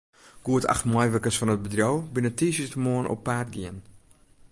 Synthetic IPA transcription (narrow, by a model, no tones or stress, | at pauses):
ɡ̥uəta̰χtmɔjʋəkəsfɔnət̚bədrowbinətiːsistəmoənʔɔ̰pːaːtɡiən